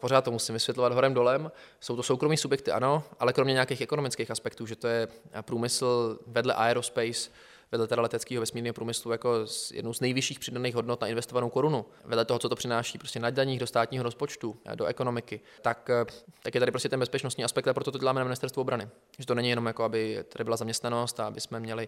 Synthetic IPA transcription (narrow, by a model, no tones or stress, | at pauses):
po̞ɾaːt̪t̪ːomusɪmvɪsvjɛt̪lovad̪ɦoɾɛmdo̞lɛmso̞wt̪osowkɾomiːsubjɛk̚t̪ɪʔa̰no̞ʔalɛkɾo̞mɲɛɲeakeːxʔɛko̞nomɪt͡skeːxaspɛkt̪uːʒɛt̪o̞jɛpɾuːmɪsl̩vɛdlɛ̰ʔa̰ɛɾospɛjs | vɛdlɛt̪ɛɾalɛt̪ɛt͡skiːɦovɛsmiːɾnɲiɦopɾuːmɪslujako̞zjɛ̰dnuwznɛjvɪʃiːxpr̥ɪdaniːɣɦodnot̪naʔɪnvɛst̪o̞vanowko̞ɾunu | vɛdlɛt̪oɦot͡sot̪opr̥ɪnaːʃiːpɾostcɛnadaɲiːɣdost̪aːt̪ɲiːɦoɾospo̞t͡ʃt̪udoʔɛko̞no̞mɪkɪ | t̪akt̪akjɛt̪adɪpɾoscɛt̪ɛnbɛspɛt͡ʃnost̪ɲiːaspɛkt̪apɾot̪ot̪oɛlaːmɛnamɪnɪst̪ɛɾst̪vuʔbɾanɪ | ʒɛt̪onɛɲɪjɛnomjakoabɪt̪adɪbɪlazamɲɛst̪nano̞st̪aabɪsmɛmɲɛlɪ